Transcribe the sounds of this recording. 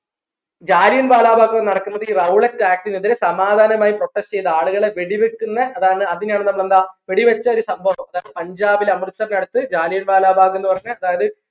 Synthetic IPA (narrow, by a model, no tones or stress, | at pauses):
d͡ʑaːlijɐnbaːlaːbʱaːkːunɐɽɐkːunːɐðɨiːrɐwuɭetːaːk̚tiniðiɾesɐmaːd̪ʱaːnɐmaːjiproʈːest͡ɕe̞jt̪ːɨaːɭuɣɐɭeʋeɽiʋekːunːɐɐðaːɳɨɐðinjaːɳɨnɐmːuɭend̪aːʋeɽiʋɐt͡ɕːɐo̞ɾusɐmbʱɐʋɐmɐðaːjɐðɨpɐɲd͡ʑaːbilɐmrɨsɐrnɐɽut̪ːɨd͡ʑaːlijɐɳbaːlaːbʱaːɣenːɨpɐrɐɲːɐɐðaːjɐðɨ